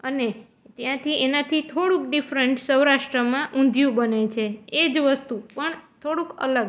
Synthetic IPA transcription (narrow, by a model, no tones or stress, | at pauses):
əne | t̪jãt̪ʰiʔenat̪ʰit̪ʰoɽũkɖifɾəɳʈsəwɾaʃʈɾəmãʔũnd̪ʱjũbənet͡ʃʰeed͡ʒʋəst̪upəɳt̪ʰoɽũkə̰ləɡ